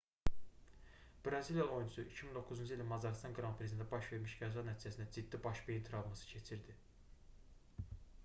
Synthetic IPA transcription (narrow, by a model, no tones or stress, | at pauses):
b̥ɾɑziljɑo̞junʰusuicʰimind̪o̞kʰːuzund͡ʒɯilnmɑzɑɾst̪ɑŋɡɾɑmpʰɾezenæbɑʃveɾmiʃɡæzɑnæt̪ʰiːd͡ʒæsinæd͡ʒid̪ːibɑʃbeint̪ʰiɾɑvmɑsɯ̥cʰe̞t͡ʃʰiɾd̪i